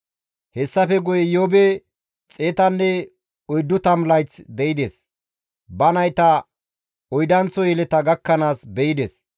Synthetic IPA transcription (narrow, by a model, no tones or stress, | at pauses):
hɛsːɐfɛɡʊjɛjoːbɛ | t͡sʼe̞ːt̪ɐnːɛ | ɔjd̪ːʊt̪ɐmlɐjt͡sd̪ɛɪd̪es | bɐnɐjt̪ɐ | ɔjd̪ɐnt͡sːɔjɛlɛt̪ɐɡɐkːɐnaːsbɛjɪd̪es